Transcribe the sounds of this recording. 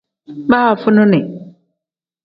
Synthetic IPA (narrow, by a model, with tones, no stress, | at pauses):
ba˦ha˨fʊ˦nʊ̃˦nɪ̃˨